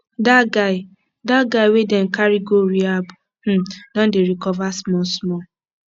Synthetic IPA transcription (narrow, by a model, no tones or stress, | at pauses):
daɡaɪ | daɡaɪwedɛn̩kaɾiɡoɾiabu | h̩dɔ̃n̩deɾikɔvasmɔsmɔ